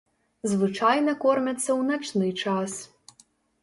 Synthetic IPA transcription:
zʋɨt͡ʃajnɐkɔrmʲɐt̪ʲsʲːɐwnat͡ʃnɪjt͡ʂas

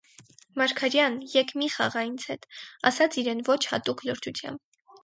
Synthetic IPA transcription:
mɑɾkʰɑɾjɑnjɛkʰmiχɑ̰ʁɑjint͡sʰhɛt̪ɑ̰sɑt͡sʰiɾɛnvɔt͡ʃʰhɑ̰t̪ukʰləɾt͡ʃʰut͡sʰjɑ̰mb

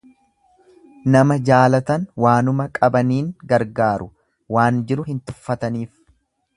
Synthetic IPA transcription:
nɐmɐd͡ʒaːlɐt̪ɐnwaːnʊmɐkʼɐbɐniːŋɡɐɾɡaːɾʊ | waːnd͡ʒɪɾʊhɪnt̪ʊfːɐt̪ɐniːf

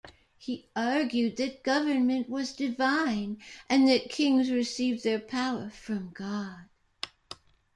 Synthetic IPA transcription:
hiɑɹɡjʉd̪̚ðɨt̚ɡ̥ʌvə˞nmɨ̃nʔwʌzdɨvãɪ̃nʔɨ̃nðɨt̚kʰɪ̃ŋzɹɨsivðə˞pʰaʊə˞fɹʌ̃mɡɑd̥

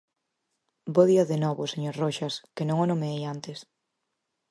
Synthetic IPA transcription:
boðiɐðenɔβoseɲoɾroʃɐskenõŋonomeejant̪ɪs

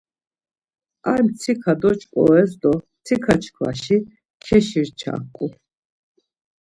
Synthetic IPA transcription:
ajmt͡sʰikʰad̪ɔt͡ʃʰʼkʼɔ̰ɛsd̪ɔ | t͡s̪ʰikʰat͡ʃʰkʰla̰ʃi | kʰɛʃiɾt͡ʃʰa̰kʼːu

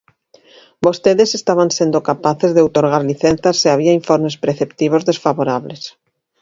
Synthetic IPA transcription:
bost̪eðesest̪aβ̞ansend̪okapaθezðeowt̪oɾɣ̞aɾliθẽnθasːeaβ̞iaiɱfoɾmespɾeθept̪iβ̞ozðesfaβoɾaβles

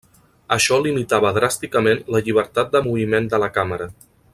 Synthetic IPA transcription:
əʃɔlimit̪aβəðɾast̪ikəmenləʎiβ̞əɾt̪at̪̚d̪əmuβ̞imend̪ələkaməɾə

